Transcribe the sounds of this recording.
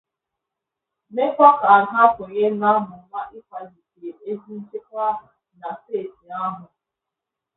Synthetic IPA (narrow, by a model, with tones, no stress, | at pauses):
me˦kʷa˦ka˨a˨ɦa˦kʊ˨ɲe˦na˦mʊ˨˦ma˦ʔɪ˦ka˨zi˨ki˨ɾe˨e˦zi˦n̩˦t͡ʃe˦kʷa˦ɦa˨ | na˨steː˦˨ti˨a˦ɦʊ˨